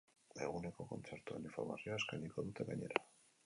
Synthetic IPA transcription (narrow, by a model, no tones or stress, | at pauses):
e̞ɣune̞ko̞ko̞̰nt͡se̞ɾt̪uenifo̞ɾmasioaskajniko̞ðut̪e̞ɣaɲe̞ɾa